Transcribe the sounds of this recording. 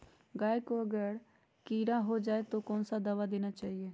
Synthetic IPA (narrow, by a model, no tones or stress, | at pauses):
ɡaːekoɐɡəɾ | kiːɾaɦod͡ʒaːet̪okɔːnsad̪aːʋad̪eːnat͡ʃaːɦieː